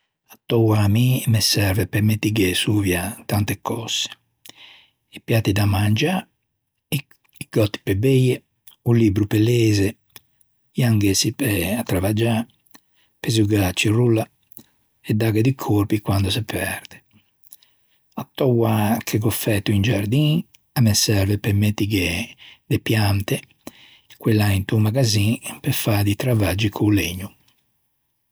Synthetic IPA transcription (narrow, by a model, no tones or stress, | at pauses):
at̪ːɔwamimɛsɛɾvɛpɛmet̪ːiɡɛsuːvjat̪ant̪ɛkʰːɔsːe̥ | ipjat̪ːid̪amand͡ʒa | iɡ̥ɔt̪ːi̥pɛbejɛ | uliːbɾupɛleːzɛ | jaŋɡɛsipɛat̪ːɾavad͡ʒa | pezuɡat͡ʃːirulːa | ɛd̪ːaɡɛd̪ikʰoɾpikwand̪ɔsɛpʰɛɾd̪̥ɛ̥ | at̪ːɔwakʰɛɡɔfːɛt̪ːuind͡ʒaɾd̪i | amɛsɛɾvɛpɛmːet̪ːiɡɛd̪ɛpjant̪ɛ | kwɛlːaint̪umaɡazĩpɛfad̪it̪ɾavad͡ʒikʰoleɲːu